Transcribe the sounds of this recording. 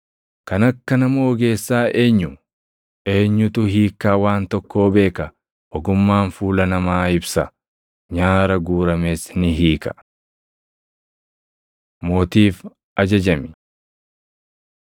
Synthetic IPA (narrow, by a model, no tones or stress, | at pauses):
kɐnɐkːɐnɐmoɡe̞ːsːaːʔe̞ːɲːʊ | ʔe̞ːɲːʊt̪ʊɦiːkːaːwaːnt̪ɔkːo̞ːbe̞ːkɐ | ʔɔɡʊmːaːnfuːlɐnɐmaːɪbsɐ | ɲaːɾɐɡuːɾɐmeːsnɪɦiːkɐ̥ | moːt̪iːf | ʔɐd͡ʒɐd͡ʒɐmɪ̥